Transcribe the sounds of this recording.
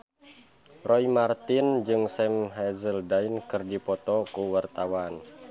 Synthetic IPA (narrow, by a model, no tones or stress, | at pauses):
rɔimart̪ind͡ʒɨŋsɛmɦɛzəldainkɨrdipɔt̪ɔkuwart̪awan